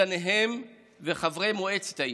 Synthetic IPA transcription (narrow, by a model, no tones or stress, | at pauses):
aneɦem | veχavʁemoet͡se̥tai